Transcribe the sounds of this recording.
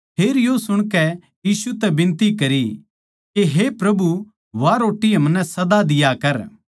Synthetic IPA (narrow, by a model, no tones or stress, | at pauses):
pʰeːɾjosʊɽ̃kɛ | jiːsut̪ɛbɪ̃nt̪ikɐɾi | keɦepɾɐbu | ʋaːɾoːʈːiɦɐmnɛsɐd̪ad̪ɪjakɐɾ